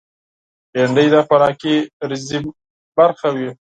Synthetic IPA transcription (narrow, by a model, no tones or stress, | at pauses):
eɳɖəjd̪ɑpaɾɑkiɾɪzi | baɾxawi